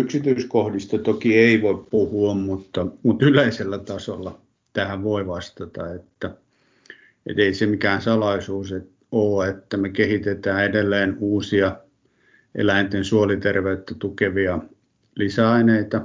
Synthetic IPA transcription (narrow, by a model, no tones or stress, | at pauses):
yksit̪yiskohdist̪ɑt̪okieiʋoippuhuɑmmut̪ːɑmut̪yleiselːæt̪ɑsolːɑ | t̪æhæʋʋoiʋɑst̪ɑt̪ɑ̰et̪ːæ | ḛt̪eisemikæːnsɑlɑisuːset̪ | oːet̪ːæmekehit̪et̪æːedelːeːnuːsiɑ | ʔḛlæint̪ensuolit̪erʋeyt̪ːæt̪ukeʋiɑ | lisæɑineit̪ɑ